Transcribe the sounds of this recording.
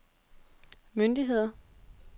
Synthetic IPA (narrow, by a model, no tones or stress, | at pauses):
mønd̥iɦe̝ð̰ˠɐ